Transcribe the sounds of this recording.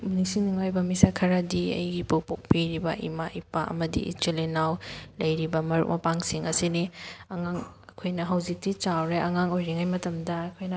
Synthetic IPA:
munisiniŋajbɐmisakʰɐɾɐdiɐ̰jɡipok̚pok̚piɾibɐ̰ʔḭmaʔipaʔɐ̰mɐdḭʔḭtilinawlɐjɾibɐmɐɾṵk̚mɐpaŋsiŋɐsiniɐŋaŋ | ɐkʰojnɐɦɐwzik̚tit͡ʃawɾeɐŋaŋojɾiŋajmɐtɐmdɐːkʰojnɐ

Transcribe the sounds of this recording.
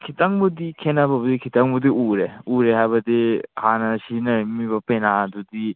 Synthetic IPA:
kʰitaŋbudikʰenabɐbudikʰitaŋbudiʔuɾeuɾeɦajbɐdihanɐsinɐɾimiβɐpenadudi

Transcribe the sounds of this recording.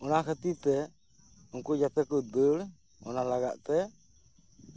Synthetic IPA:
ɔnakʰət̪it̪ɛ | uŋkud͡ʒat̪ɛkut̪̚bəl | ɔ̰nalaɡa̰ʔt̪ɛ

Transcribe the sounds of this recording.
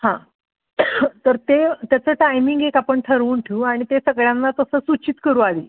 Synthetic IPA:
hã | t̪əɾt̪et̪jat͡səːʈajmiŋɡekapəɳʈʰəɾuːɳʈʰiuaɽ̃it̪esəɡɭjãnːat̪əsəːsut͡ɕit̪kəɾuːalḭ

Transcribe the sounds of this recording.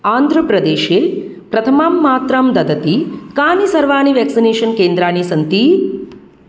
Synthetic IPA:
aːnd̪ʱɾɐpɾɐd̪eːʃeːpɾɐt̪ʰɐmaːmːaːt̪ɾɐmd̪ɐd̪ɐt̪ikaːnisɐɾʋaːɳiʋeːksineːʃɐnkeːnd̪ɾaːɳisɐnt̪i

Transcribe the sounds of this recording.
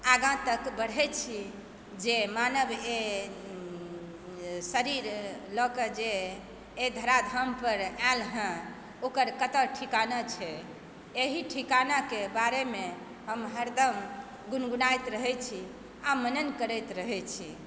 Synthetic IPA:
aɡʱãt̪əkbəɽ̤ɦɛt͡ʃʰi | d͡ʒemanəbe | səɾiɾlɔkəd͡ʒeː | d̪ʱəɾad̪ʱəmpəɾalɦə̃ | okəɾkət̪əʈʰikanat͡ʃʰɛ | eɦiʈʰikanakebaɾeme | ɦəmɦəɾd̪əm | ɡunɡunajt̪ɾəɦɛt͡ʃʰi | amənənkəɾɛjt̪ɾəɦɛt͡ʃʰi

